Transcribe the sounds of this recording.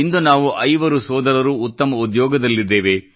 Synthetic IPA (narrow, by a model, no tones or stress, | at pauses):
ind̪unaːʋuʔɐjʋɐɾusɔːd̪ɐɾɐɾuːt̪ːɐmɐud̪jɔːɡɐd̪ɐlːid̪ːeːʋe